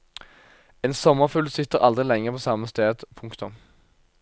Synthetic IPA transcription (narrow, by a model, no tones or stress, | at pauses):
eːnsɔmːəʁfʉlsɪt̪əʁʔɑld̪ʁɪlɛŋəpʰoːsɑməst̪eːd̪pʰʊŋkt̪ʊm